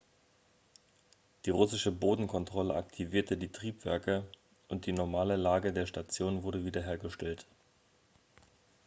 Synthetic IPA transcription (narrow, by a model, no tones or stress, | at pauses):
d̥iːʁʊsɪʃəboːdn̩kʰɔntʁ̥ɔləʔaktʰiviːɐtədiːtʁ̥iːpv̥ɛ̰ɐkə | ʔʊnt̚d̥iːnɔɐmaːləlaːɡədeːɐʃtat͡sjoːnvʊɐɾəviːdɐɦeːɐɡəʃtɛlt